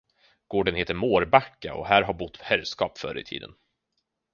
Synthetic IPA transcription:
ɡ̥oːɖənheːt̪əɾmoːɾbakːaɔ̰ɦæːɾɦaɾbʊt̪ːhɛlskɑːpfœ̰ɾʔəɪt̪ʰḭːd̪ə̰n

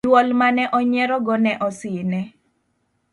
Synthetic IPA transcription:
wɔlmanɛʔɔɲɛɾɔɡɔnɛʔɔsɪnɛ

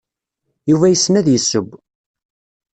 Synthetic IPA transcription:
juvæjəsːnæðjəsːəb

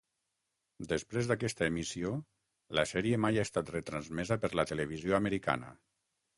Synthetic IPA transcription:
d̪əspɾezðakɛst̪əemisio | ləsɛɾiemajaest̪at̪rət̪ɾanzmɛzəpəɾlət̪eleβ̞izjoaməɾika̰nə̰

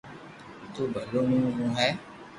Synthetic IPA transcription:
t̪ubɛlonũɡũɦɛ

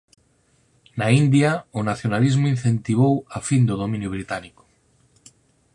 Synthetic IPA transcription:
naind̪jaonaθjonalizmoinθent̪iβ̞owafind̪oð̞omĩnjoβ̞ɾit̪aniko̥

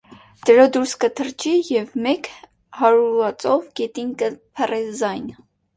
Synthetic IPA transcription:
d̪̥əɾɔd̪uɾskət̪ʰəɾt͡ʃʰijɛvmɛk | hɑɾuɾɑt͡sʼɔvɡɛt̪inkəpʰɛrɛzɑjn

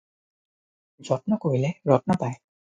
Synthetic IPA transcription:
d͡ʑɔtnakoileɾɔtnap̪ae

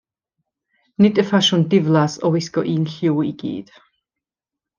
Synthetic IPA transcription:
nɪdəfaʃʊndɪvlˠasɔwɪskɔʔiːnɬɪwiɡ̥ḭːd̥

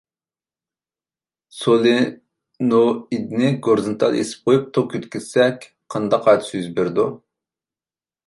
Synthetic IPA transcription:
solˠɪ | noid̪ɪnɪɡoɾzɨnt̪ʰɑ̰lˠḛsɪ̥p̚qʰojup̚t̪ʰokʰʲøt̪kʲizsɛkʲ | qʰɑnd̪ɑqːɑjt̪ʰsyzbɪɾd̪u

